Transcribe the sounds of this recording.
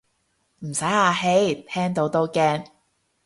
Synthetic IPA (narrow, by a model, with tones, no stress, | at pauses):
m̩˨˩sɐ˨˥jaː˧ɦe˨˥jt̪ʰɛː˥ŋt̪o˨˥wt̪o˥wkɛː˥ŋ